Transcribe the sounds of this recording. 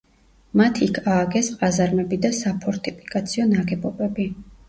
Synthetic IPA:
mat̪ʰikʰaːɡɛsqʼazaɾmɛbid̪asapʰɔɾt̪ʰʼipʰi̥kʼat̪sʰiɔnaɡɛbɔbɛbi

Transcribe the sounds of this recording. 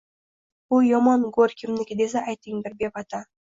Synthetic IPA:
ʊjɒmɒnɡoɾkʲʰɪmnɪkʲd̪es̬aajt̪ːɪŋd̪ɪɾbepat̪ʰa

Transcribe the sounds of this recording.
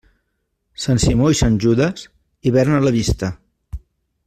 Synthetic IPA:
sansimoisanʲʒuðəs | iβɛɾnələβist̪ə

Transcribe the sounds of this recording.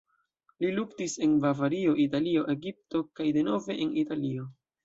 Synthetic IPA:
liluktise̞nbavaɾio̞ʔitalio̞ʔe̞ɡip̚to̞kajde̞no̞ve̞ʔenitalio̞

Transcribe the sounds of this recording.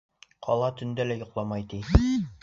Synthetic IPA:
qʰɒ̰lˠɑt̪ɵ̆nd̪ælæjŏqlˠɑmɑjt̪i

